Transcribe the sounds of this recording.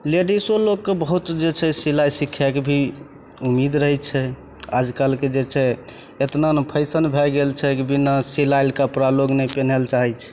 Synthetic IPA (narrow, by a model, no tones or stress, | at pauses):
leɖisolokːebəɦut̪d͡ʒet͡ʃʰɛsilajsikʰːɛkebʱi | umid̪ɾəɦɛt͡ʃʰɛ | a̰d͡ʒkalked͡ʒet͡ʃʰɛ | et̪nanpʰəɪsənbʱɛɡelt͡ʃʰɛkibinasilajlkapɾaloɡnɛpɛnɛlt͡ʃaɦɛt͡ʃʰɛ̥